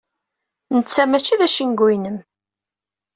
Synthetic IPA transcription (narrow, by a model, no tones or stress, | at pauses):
nət͡sːæmæt͡ʃːiðæʃənɡinəm